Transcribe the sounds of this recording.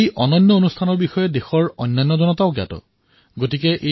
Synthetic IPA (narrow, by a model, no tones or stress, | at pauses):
jʔɔnɔnːɔonustʰanɔɹbixɔjɛdexɔɹɔ̰jnːajnːɔzɔnɔtaʊɡa̰tɔ̰ | ɡotikɛʔe